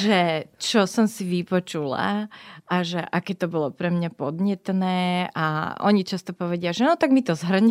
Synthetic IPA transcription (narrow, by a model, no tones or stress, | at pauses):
ʒɛt͡ʃɔsɔmsiʋipɔt͡ʃula̰aʒɛʔakɛːt̪ɔbɔlɔpɾɛmɲapɔd̪ɲɛt̪nɛːa̰ɔ̰ɲit͡ʃast̪ɔpɔʋɛɟɪaʒɛnɔt̪aɡmit̪ɔzɦrɲ